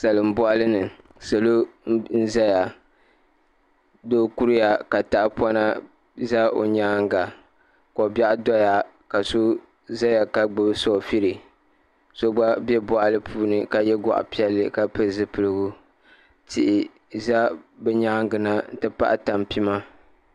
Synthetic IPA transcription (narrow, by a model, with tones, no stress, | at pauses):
sa˨lɨ˨m̩˦bɔ˦ʔa˦lɨ˦nɨ˨ | so˨lo˦n̩˦za˦ja˨ | doː˦ku˦ɾja˨ka˨ta˨ʔpɔ˦na˦ | za˦o̰˨ɲaː˦ŋɡa˨ | ko˨ba˦ʔdɔ˦ja˨ | ka˨so˦ | za˦ja˨ka˨ɡ͡bɨ˦bso˦˨fi˦ɾɨ˨ | so˦ɡ͡ba˦bɛ˦bɔ˨ʔa˨lɨ˦pʰuː˦nɨ˨ka˨jɛ˦ɡɔ̰˨ʔa̰˨pi˦ɛ˦lːɨ˦ka˨pɨ˦zɨ˦pɨ˨lɨ˦ɡu˦ | tʰi˨ʔɪ˨ | za˦bɛ˦ɲa˦ŋ˦ɡɨ˨na˦n̩˦tɨ˦pa̰˦ʔta˨mpi˦ma˦